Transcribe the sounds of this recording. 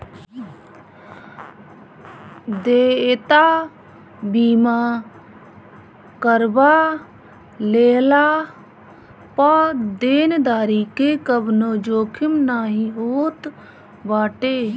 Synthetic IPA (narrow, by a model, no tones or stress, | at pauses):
d̪eːet̪aː | biːmaː | kəɾbaː | leːlaː | pad̪eːnd̪aːɾikekəbnod͡ʒoːkʰɪmnaːɦĩɦoːt̪ | baːʈeː